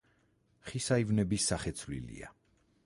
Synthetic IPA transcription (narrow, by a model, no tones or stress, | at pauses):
χisaivnɛbisːaχɛt̪sʰvlḭlḭa̰